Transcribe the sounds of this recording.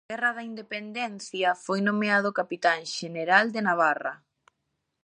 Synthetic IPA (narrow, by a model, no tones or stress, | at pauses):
ɣɛrɐðaind̪epend̪ɛn̟θjɐfojnomeaðʊkapit̪aŋʃeneɾald̪enaβ̞arɐ